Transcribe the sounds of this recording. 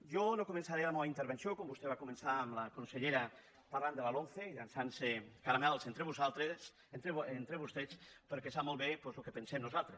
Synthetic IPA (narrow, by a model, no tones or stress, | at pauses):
ʒonokomẽnsaɾelamɔβaint̪eɾβensjokombust̪eβakomensaːmlakonseʎeɾa | paɾland̪elalonθeilansansekaɾamɛlsent̪ɾeβuzalˠt̪ɾes | eent̪ɾeβust̪et͡speɾkesamolˠβepwezlokepensɛmnuzalˠt̪ɾes